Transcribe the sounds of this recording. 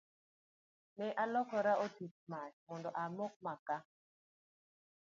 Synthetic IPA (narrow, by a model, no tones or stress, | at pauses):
nɛʔalɔkɔɾaʔotit͡ʃ̚mat͡ʃmɔndɔʔamɔk̚maka